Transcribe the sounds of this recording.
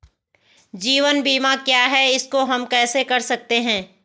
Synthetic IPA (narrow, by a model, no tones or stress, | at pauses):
d͡ʒiːʋənbiːmakjaːɦɛɪskoɦɐmkɛːsekɐɾsɐk̚t̪eɦɛ̃ː